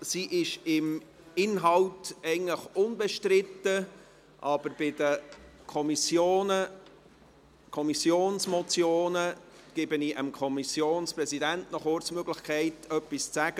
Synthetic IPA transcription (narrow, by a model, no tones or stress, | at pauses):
siːʔɪʃɪm | ɪnɦɑltɛɪn̩tləχʊnbɛʃtrɪtːə | ʔɑb̥əɾb̥ɪdəkʰɔmisjoːnə | kʰɔmisjoːnsmɔt͡sjoːnə | ɡ̥ɪbəniʔəmkʰɔmisjoːnsprɛzidæntnɔχoːɾt͡smøɡlɪχkʰɛɪtœpːist͡sæɡ̥ə